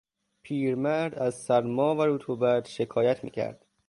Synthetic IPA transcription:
pʰiːɾmæɾd̪æzsæɾmɒːvæɾuːt̪ʰuːbæd̪̥ʃe̞kʰɒːjæt̪ʰmḭːcʰæ̰ɾd̪̥

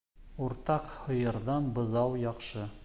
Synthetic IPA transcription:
uɾt̪ɑqhɤ̆jɤ̆ɾðɑnbɤ̆ðɑwjɑqʃɤ

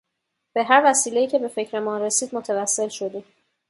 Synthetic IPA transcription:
b̥e̞ɦæɾvæsiːle̞iːcʰe̞be̞fe̞cʰɾe̞mɒːnɾe̞siːd̪mot̪ʰevæsːe̞lʃo̞d̪iːm

